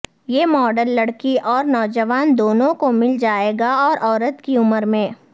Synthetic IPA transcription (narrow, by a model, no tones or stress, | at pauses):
jeːmɔːɖəlːɐɽkiʔɔːɾnɔːd͡ʒəʋaːnd̪oːnõkomɪld͡ʒaːeːɡaɔːɾʔɔːɾət̪kiʊməɾmẽː